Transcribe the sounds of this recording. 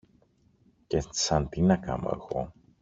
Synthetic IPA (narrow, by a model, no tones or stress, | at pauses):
cesɐnt̪inɐka̰mo̰ḛɣo